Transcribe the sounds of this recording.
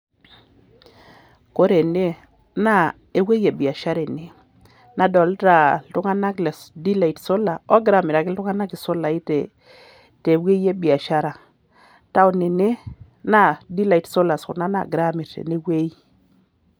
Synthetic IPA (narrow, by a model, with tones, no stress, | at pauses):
ko˦ɾe˨ne˦ | na˦˨ | e˨we˦jɛ˨bi˨a˨ʃa˦ɾɛ˨ne˨˦ | na˨dɔ˨lɾa˨ltu˦ŋa˦na˦klɛ˨sdi˦la˨i˨tso˦la˨ɔ˦ɡɾa˨mɪɾa˨kɪ˦ltu˦ŋa˦na˦ki˨sɔ˦la˨i˦tɛ˨ | te˨we˦je˦bi˨a˨ʃa˦ɾa˨ | ta˦ɔ˦ne˨ne˦ | na˦˨di˦la˨i˨tso˦la˨skṵ˨na˦na̰˨ɡɾa˦mi˨ɾḛ˨ne˦we˦i˦